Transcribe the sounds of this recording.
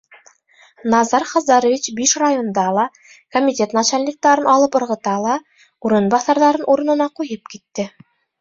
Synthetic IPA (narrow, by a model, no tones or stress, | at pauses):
nɑzɑɾχɑzd̪ɑɾovʲit͡ɕbiʃrajond̪ɑlˠɑ | komʲit̪ʲet̪nɑt͡ɕælʲːik̚t̪ɑɾɤnɑlˠɤpŏɾʁɤ̆t̪ɑlˠɑ | uɾɤ̆nbɑθɑɾðɑɾɤnʔuɾɤ̆nɤ̆nɑqujɤp̚kit̪ːɘ